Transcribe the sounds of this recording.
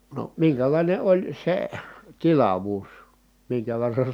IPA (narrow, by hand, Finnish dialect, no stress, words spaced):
no miŋkælɑˑine olʲ se tilɑʋuːs miŋkæ ʋerːɑn̞